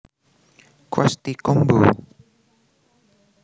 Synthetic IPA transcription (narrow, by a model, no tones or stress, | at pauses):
kwast̪ikombu